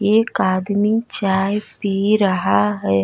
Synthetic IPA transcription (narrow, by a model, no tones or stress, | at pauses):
jeːkaːd̪mit͡ʃaːpiɾəɦaɦɛ